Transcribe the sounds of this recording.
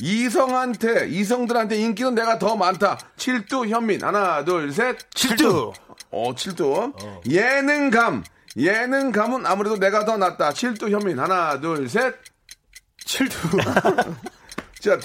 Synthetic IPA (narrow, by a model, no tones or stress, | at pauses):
is̬ʰʌŋɦantʰe̞is̬ʰʌŋdɯɾɦantʰe̞ink̬͈inɯnːe̞ɡatʌmantʰat͡ɕʰiɭt͈uçjʌmːinha̰nadoɭs̬ʰet̚t͡ɕʰt | ʌ̰t͡ɕʰiɭt͈ujenɯŋɡam | jenɯŋɡamɯnamuɾe̞done̞ɡatʌnat̚t͈at͡ɕʰiɭt͈uçjʌmːinɦanadoɭs̬ʰet̚ | t͡ɕʰit | t͡ɕa